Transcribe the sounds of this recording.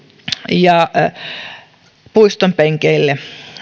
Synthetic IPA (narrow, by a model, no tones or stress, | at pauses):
jɑ | puist̪ompeŋkeilːe